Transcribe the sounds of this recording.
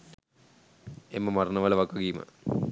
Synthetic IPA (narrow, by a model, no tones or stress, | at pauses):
emːɐmɐrɐnɐʋɐlɐʋɐkːɐɡiːmə̰